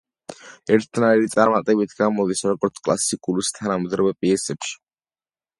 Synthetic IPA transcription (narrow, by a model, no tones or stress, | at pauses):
ɛɾt̪ʰnaiɾit̪sʼaɾmat̪ʼɛbit̪ʰɡamɔd̪isɔɾɔɡɔɾt̪sʰkʼla̰sikʼulust̪ʰanamɔd̪ɾabɛpʼiɛsɛpʃi̥